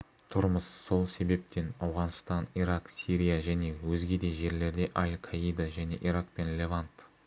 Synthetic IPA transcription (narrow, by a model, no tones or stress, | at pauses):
t̪ʰʊɾməsːo̞lˠse̞be̞p̚t̪ʰe̞nɑwʁɑnst̪ɑniɾɑqsʲiɾʲijaʒæne̞wɵzɡʲe̞d̪e̞ʒe̞ɾle̞ɾd̪e̞ʔalʲkʰaijd̪aʒæne̞ʔiɾaq̚pe̞nlʲe̞vant̪